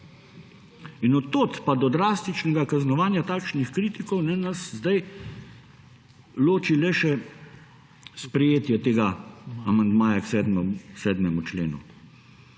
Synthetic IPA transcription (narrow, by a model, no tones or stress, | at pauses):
inɔt̪ːoːt̪pad̪ɔd̪ɾaːst̪it͡ʃnɛɡakaznɔʋaːnjat̪aːkʃnixkɾiːt̪ikɔwnɛnaszd̪aj | loːt͡ʃilɛʃɛ | spɾɛjeːt̪jɛt̪eːɡaamand̪maːjaksɛd̪mɛsɛːd̪mɛmut͡ʃleːnṵ